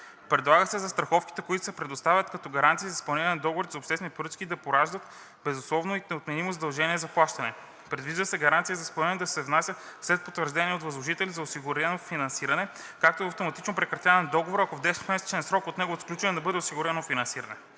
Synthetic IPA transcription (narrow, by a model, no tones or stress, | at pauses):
pɾɛd̪lˠaɡəsɛzɐst̪ɾɐxɔfki̥t̪ɛkoʊit̪ʊ̥sɛpɾɛd̪ost̪avʲət̪kɐt̪ɔɡɐɾant̪sizɐsplˠɐniɾɐnɛd̪ɔɡovoɾizɐopʃt̪ɛsɛnipɾət̪kʲiːd̪ɐpoɾaʒd̪ət̪ | bɛzʊslˠɔvnoinɛot̪mɛnimozɐd̪ɐlˠʒɛniɛzɐplˠaʃt̪ɐnɛ | pɾɛd̪viʒd̪əsɛɡɐɾant̪sijəzɐsplɐniənɛd̪ɐsɛvnasʲət̪slɛt̪̚pot̪vəɾʒd̪ɛniɛot̪vɐzlˠoʒit̪ɛlizɐosiɡʊɾɛnofinɐnsiɾɐnɛ | kak̚t̪oɛɐft̪omɐt̪it͡ʃnopɾɛkɾɐt̪javɛnd̪ɔɡovoɾɐkovd̪ɛsnomɛsɛ̥t͡ʃɛnsɾɔkot̪nɛɡot̪sklʲut͡ʃɐnɛd̪ɐbɤd̪ɛosiɡʊɾɛnofinɐnsiɾɐnɛ